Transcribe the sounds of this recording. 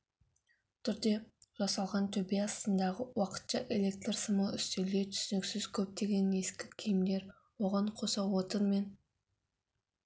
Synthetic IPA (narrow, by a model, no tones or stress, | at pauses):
t̪ʰʏɾd̪e̞ʒɑsɑlˠʁɑnt̪ʰɵbeɑst̪ənd̪ɑʁəwɑqə̥t̪ʃɑʔe̞lʲe̞k̚t̪rsəməʏst̪eld̪et̪ʰʏ̥sɪnɪksɪzkʲʰɵp̚t̪e̞ɡʲe̞ne̞skʲɪkʲʰijmd̪e̞ɾ | woʁɑɴqʰo̞sɑwot̪ənme̞n